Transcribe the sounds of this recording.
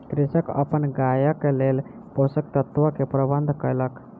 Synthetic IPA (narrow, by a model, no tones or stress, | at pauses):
kɾisəkə̰pənɡajəkelel | posək̚t̪ət̪ʋəkepɾəbənd̪ʱkəjlək